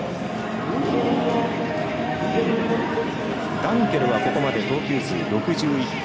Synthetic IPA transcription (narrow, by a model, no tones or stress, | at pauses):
ɡ̥ãŋke̞ɾɯ̟βako̞komad̪e̞t̪o̞ːkʲɨːsɨɾɯɾo̞kɯ̟ʑɨːi